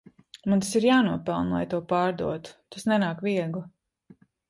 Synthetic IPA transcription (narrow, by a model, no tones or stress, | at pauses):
munsiɾjaːnuɔpɛlˠnlˠa̰jt̪uɔpaːɾd̪ṵɔt̪u̥t̪asnɛnaːkviɛɡlu